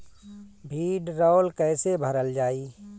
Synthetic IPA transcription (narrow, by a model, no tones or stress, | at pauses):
bʱiːɖɾɔːlkɛːsebʱəɾəld͡ʒaːiː